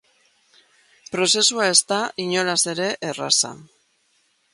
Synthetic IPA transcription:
pɾo̞se̞suae̞st̪aiɲo̞lase̞ɾe̞ʔera̰sa̰

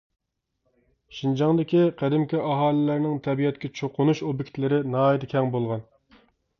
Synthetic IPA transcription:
ʃind͡ʒɑŋd̪ɪkʲiqʰæd̪ɪmkʲɛʔɑɦɑːlˠɪlæɾnɪŋt̪ʰɛbijɛt̪kʲɛt͡ʃʰoqʰʊnuʃobikʲt̪lɪɾɪnɑːid̪ɪkʲʰɛŋbolˠʁɑn

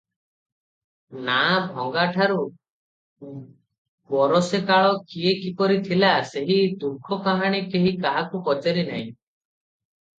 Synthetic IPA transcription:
nabʱɔŋɡaʈʰaɾu | bɔɾɔsekaɭɔkiekipɔɾit̪ʰilaseɦid̪ukʰɔkaɦaɽ̃ikeɦikaɦakukɔt͡ʃaɾina̰ɦḭ̃

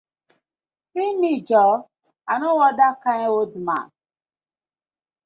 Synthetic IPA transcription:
ɾimid͡ʒɔ | anʊwɔdakaɲeodma̰n

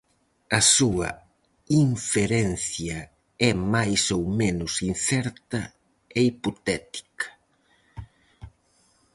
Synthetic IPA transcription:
ɐsuɐ̰ | iɱfeɾɛn̟θjɐ | ɛmajsowmenʊsinθɛɾt̪ɐ | eipot̪ɛt̪i̥kɐ̥

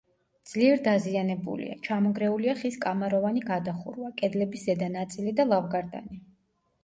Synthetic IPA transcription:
d̪z̥liɛɾd̪azianɛbṵlḭa̰t͡ʃʰamɔɡɾɛuliaχiskʼamaɾɔvaniɡad̪aχṵɾwakʼɛd̪lɛbiszɛd̪anat̪sʼilid̪alˠavɡaɾd̪a̰ni

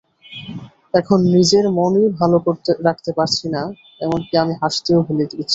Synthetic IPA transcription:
ɛkʰonːid͡ʑeɾmonibʱalokoɾt̪eɾak̚ʰt̪epaɾt͡ɕʰina | ɛmonkiamiɦaʃt̪eobʱulet̪iket͡ɕʰi̥

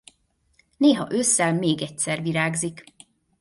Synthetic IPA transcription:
neːɦɒ̰ʔøsːɛlmeːɡɛc̚sɛrviɾaːɡzik

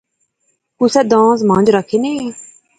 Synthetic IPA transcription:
kʊsɛd̪ãːs̬mãnd͡ʒɾakʰene

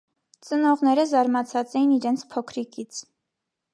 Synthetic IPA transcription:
t͡sənɔʁnɛɾəzɑɾmɑt͡sʰɑt͡sɛjiniɾɛnt͡sʰpʰɔkʰɾikit͡sʰ

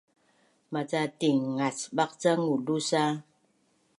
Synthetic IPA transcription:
mat͡satiŋŋat͡sbak̚t͡saŋudusa

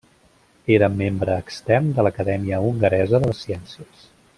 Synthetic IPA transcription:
eɾəmembɾəːkst̪ɛrnd̪ələkəðɛmiəuŋɡəɾɛzəðələsiɛnsiəs

